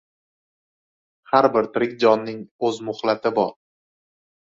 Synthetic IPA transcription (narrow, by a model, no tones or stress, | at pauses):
haɾbɪɾt̪ʰɪɾɪkʲd͡ʒɒnːɪŋɵzmʊχlat̪ʰɪbɒɾ